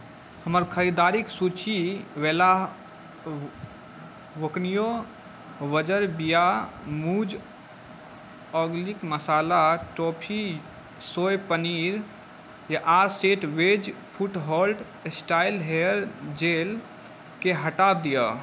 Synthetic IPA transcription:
həməɾkʰəɾid̪aɾiksut͡ʃiʋela | ʋoknijo | ʋəd͡ʒəɾbijamud͡ʒ | ɔɡlikməsalaʈopʰi | sojpəniɾ | jaʔaɾseʈʋed͡ʒpʰuʈɦɔlɖ | sʈailɦeɾd͡ʒel | keɦəʈad̪ijə

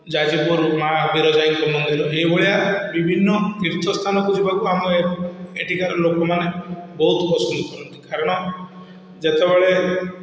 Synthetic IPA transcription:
d͡ʒad͡ʒipuɾmabiɾɔd͡ʒaiŋkɔmɔnd̪iɾɔɦejbɔɭijabibʱinːɔkiɾt̪ʰɔst̪ʰanɔkud͡ʒibakuamɔeeʈʰikaɾɔlokɔmanebɔɦut̪pɔsɔnd̪ukʰɔɾɔnt̪i̥kaɾɔɽ̃ɔ | d͡ʒet̪ebeɭe

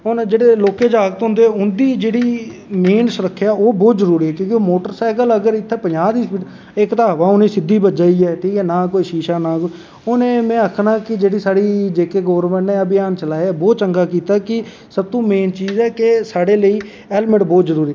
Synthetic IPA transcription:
ɦʊnd͡ʒeːɽeːloːkeːd͡ʒaːɡət̪ɦõnd̪eʊnd̪iːd͡ʒeːɽiːmeːnsəɾəkʰːjaːoːbɔːt̪zəɾuːɾiːɛːkjõːkoːmoːʈəɾsaɪkələɡəɾɪt̪ʰːɛːpəɲaːd̪iːsʈ | ɪkt̪aːʋaːʊnẽːsɪd̪ːiːbət̪d͡ʒaːiːɛːʈʰiːkɛːnaːkoːiʃiːʃaːnaːko | ʊnẽːmɛ̃ːəkʰnãːkɪd͡ʒeːɽiːsaːɽiːd͡ʒeːkeːɡɔːɾməɳnẽːəbɪjaːnt͡ʃəlaːbɔːt̪̚t͡ʃəŋɡaːkiːt̪aːkɪ | səb̚t̪ũːmeːnt͡ʃiːzɛːkesaːɽeːləiː | ɛːlməʈbɔːt̪zəɾuːɾiː

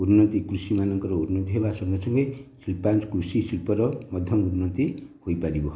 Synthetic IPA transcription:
uɾnʌt̪ikrusimanʌŋkʌɾʌuɾnʌt̪iɦebasʌŋɡʌsʌŋɡʌjsilpanskrusisilpʌɾʌmʌd̪ʱjʌmuɾunʌt̪ihojpalibo

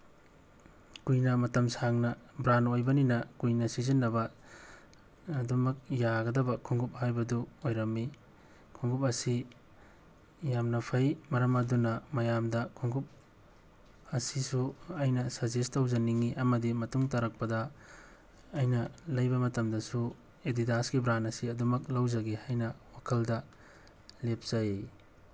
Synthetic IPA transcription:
kujnɐmɐtɐmsaŋnɐbɾanojbɐninɐkujnɐsizinːɐbɐ | ɐdumɐk̚jaɡɐdɐbɐkʰuŋɡup̚ɦajbɐduojɾɐmːi | kʰuŋɡup̬̚ɐsi | jamnɐpʰɐjmɐɾɐmɐdunɐmɐjamdɐkʰuŋɡup̚ | ɐsisuɐjnɐsɐzestɐwzɐniŋiʔɐmɐdimɐtuŋtɐɾɐk̚pɐdɐ | jnɐlɐjbɐmɐtɐmdɐsu | edidasɡibɾanɐsiɐdumɐk̚lɐwzɐɡehajnɐwakʰɐldɐ | lep̚z̥ɐj

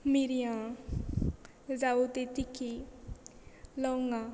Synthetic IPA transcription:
miɾijã | zaut̪et̪ikʰi | lɔwŋa

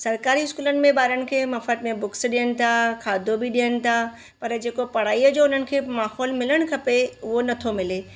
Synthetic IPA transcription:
sɐɾkaːɾiɪskuːlənɪ̆mẽɓaːɾənɪ̆kʰeːmɐfət̪mẽbʊksɗijəñɪ̆t̪ʰakʰaːd̪ʱobiɗijəɽ̃ɪ̆t̪ʰa | pɐɾd͡ʑeːkopɐɽ̤aːiəd͡ʑoːʊn̤ənɪ̆kʰeːmaːɦɔːlmɪləɽ̃kʰɐpeʊɦonɐt̪ʰomɪleː

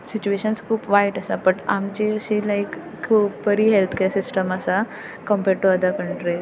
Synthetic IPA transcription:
sit͡ɕueɕənskʰuːpʋaiʈəsapəʈamt͡ɕiəɕiːlaikʰː | uːpbəɾiɦelt̪ʰkeɾsisʈəməsa | kəmpeɾʈuəd̪əɾkəɳʈɾi

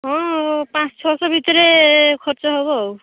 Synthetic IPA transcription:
ɦɔ̃pãt͡sʰt͡ʃʰɔsɔbʱit̪ɔɾekʰɔɾt͡sɔɦɔβɔw

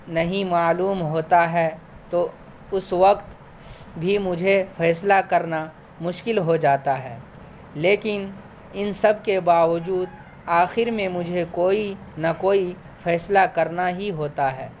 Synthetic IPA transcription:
nɐɦĩmaːluːmɦoːt̪aɦɛː | t̪oː | ʊsʋɐqt̪ | bʱimʊd͡ʒʱefɛːslakɐɾna | mʊʃkɪlɦod͡ʒaːt̪aɦɛː | leːkɪn | ɪnsɐb̚ʱkebaːʋəd͡ʒuːd̪ | aːxɪɾmẽmʊd͡ʒʱekoːinɐkoːi | fɛːslakɐɾnaɦiɦoːt̪aɦɛː

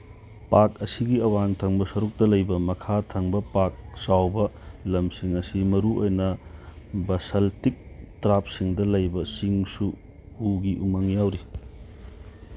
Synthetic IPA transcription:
pakɐsiɡiɐwaŋtʰɐŋbɐsɐɾuk̚tɐlɐjbɐmɐkʰatʰɐŋbɐpak̚sawbɐlɐmsiŋɐsimɐɾuojnɐ | bɐsɐltik̚tɾap̚siŋdɐlɐjbɐsiŋsu | uɡiʔumɐŋjawɾi

